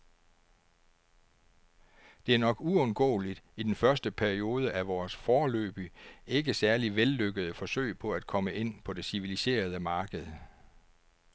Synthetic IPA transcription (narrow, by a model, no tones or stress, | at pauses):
d̥e̝æɐnɒ̽ɡ̥uɔ̽nɡ̥ɔ̰̽ːlid̥id̥enfɶɐsd̥əpʰæɐio̝ːð̞ˠəʔæʋɒːsfɒːlø̰ːb̥ie̝ɡ̥əsæɐliʋelːøɡ̥əð̞̩ˠəfɒ̽sø̰ɪ̰pʰɒ̽æd̥̚kʰɒ̽məʔe̝n̰pʰɒ̽d̥e̝siʋilise̝̰ːɐð̞ˠəmɑ̈ːɡ̥əð̞̩ˠ